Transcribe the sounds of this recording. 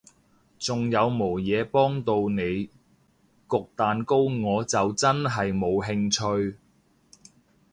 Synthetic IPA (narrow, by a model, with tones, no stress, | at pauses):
t͡sʊ˨ŋjɐ˨˧wmo˨˩wjɛː˨˧pɔː˥ŋt̪o˧wne˨˧j | kʊ˨k̚t̪aː˨nko˥wŋɔː˨˧t͡sɐ˨wt͡sɐ˥nɦɐ˨jmo˨˧wɦɪ˧ŋt͡ʃʰɵ˧ɥ